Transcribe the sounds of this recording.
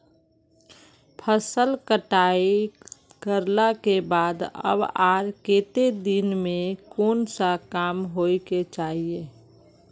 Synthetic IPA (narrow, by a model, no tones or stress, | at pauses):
pʰəsəlkəʈaːi | kəɾlakebaːd̪ə̰baːɾkeːt̪ed̪inmẽkoːnsakaːmɦoːiket͡ʃaːɦie